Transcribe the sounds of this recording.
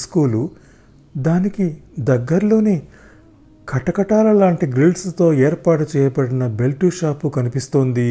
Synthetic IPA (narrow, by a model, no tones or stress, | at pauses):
skuːlu | d̪aːnikid̪ɐɡːɐɾlo̞ːni | kʰɐʈɐkɐʈaːlɐlaːɳʈiɡɾilɖst̪o̞ːɛːɾpaːʈut͡ʃɛːjɐpɐɽinɐbe̞lʈuʃaːpukɐnipist̪oːnd̪i